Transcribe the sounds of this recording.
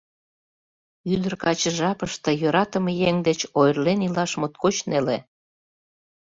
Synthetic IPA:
yd̪ərkɑt͡ɕəʒɑpəʃt̪ejøɾɑt̪ə̆mejeŋd̪et͡ɕojərlenilɑʃmot̪̚kot͡ɕnele

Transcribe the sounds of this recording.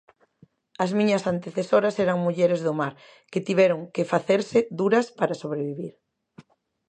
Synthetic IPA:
ɐzmĩɲɐsant̪eθesoɾɐsɛɾɐŋmuʎɛɾezðʊmaɾ | kɪt̪iβɛɾʊŋkefaθeɾsɪðuɾɐspaɾasoβɾeβiβiɾ

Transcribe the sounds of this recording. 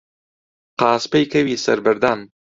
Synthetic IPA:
qɑːspɐjkɐwiːsɐɾbɪɾd̪ɑːn

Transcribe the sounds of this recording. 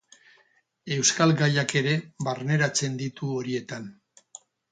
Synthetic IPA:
e̞wskalɡajake̞ɾe̞βaɾne̞ɾat͡se̞nd̪it̪uo̞ɾie̞t̪an

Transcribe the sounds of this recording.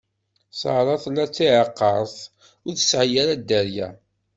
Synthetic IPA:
səʁɾˤɑθˤlːæt͡sːiʕəqːɑɾˤθ | ʊɾθə̥sʕjæɾæd̪æɾjæ̰

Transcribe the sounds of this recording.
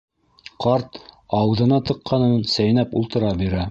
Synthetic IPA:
qɑɾt̪ɑw̆ðɤ̆nɑt̪ɤ̆qːɑnɤnsæjnæpulˠt̪ɤ̆ɾɑbiɾæ

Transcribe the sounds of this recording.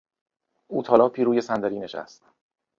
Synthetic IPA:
uːt̪ʰɒːlɒːpʰiːɾuːje̞sænd̪æɾiːneʃæ̰st̪

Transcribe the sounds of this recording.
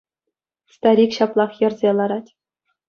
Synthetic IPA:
st̪ɑɾʲikɕɑplˠɑχjɤ̆rzʲelˠɑɾɑtʲ

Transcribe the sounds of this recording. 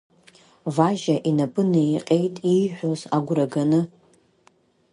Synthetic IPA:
vaʒaʔinapʼɨnejqʲʼejtʼijħʷᶣozaɡʷraɡanɨ

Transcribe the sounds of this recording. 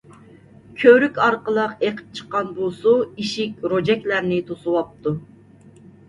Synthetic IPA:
kʲʰøɾykʲɑɾqəlˠəqeqʰə̥p̚t͡ʃʰə̥qːɑnbusuiʃikʲɾod͡ʒɛkʲlæɾnɪt̪ʰosuwɑp̚t̪ʰu

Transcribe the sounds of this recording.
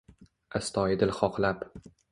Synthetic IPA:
ast̪ʰɒjɪd̪ɪlˠχɒqʰlap

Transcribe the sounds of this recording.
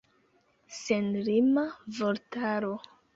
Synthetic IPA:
senɾimavoɾtaɾo

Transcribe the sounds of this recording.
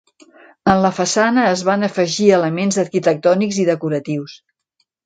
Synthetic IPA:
ənləfəsanəːzβanəfəʒiələmenzəɾkit̪ək̚t̪ɔniɡziðəkuɾət̪iws

